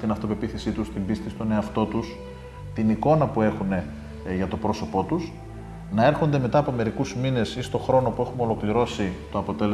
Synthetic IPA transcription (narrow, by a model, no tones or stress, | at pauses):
t̪inɐft̪o̞pe̞piθesit̪ust̪imbist̪ist̪o̞ne̞ɐft̪o̞t̪us | t̪iniko̞nɐpue̞xune̞ | ʝɐt̪o̞pɾo̞so̞po̞t̪us | nɐe̞ɾxo̞nd̪e̞me̞t̪ɐːpo̞me̞ɾikuzmine̞sist̪o̞xɾo̞no̞pue̞xumo̞lo̞kliɾo̞sit̪o̞ɐpo̞t̪e̞le